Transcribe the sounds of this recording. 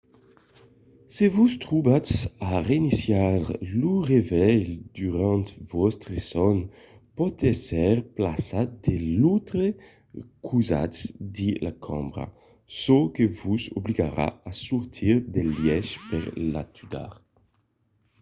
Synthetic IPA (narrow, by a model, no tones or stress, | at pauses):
sevust̪ʁubasaʁeinisjaʁluʁevɛjd̪yʁãnt̪vɔst̪ʁesɔn | pɔt̪ɛsɛʁplasat̪̚d̪̥elut̪ɾe | kʰuza̰tsd̪ilakʰɔ̰̃mbʁa̰ | sokevuzobliɡaɾa̰asuʁt̪ʰiʁd̪eljɛʃpeʁla̰t̪ʰyd̪a̰ʁ